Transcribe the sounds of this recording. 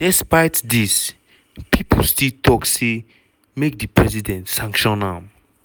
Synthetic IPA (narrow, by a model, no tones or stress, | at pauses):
d̥ɛspajtdis | pʰipəlstiltʰɔkse | mek̚dipɹɛzidɛ̃ntsãŋkʃɔ̃nãm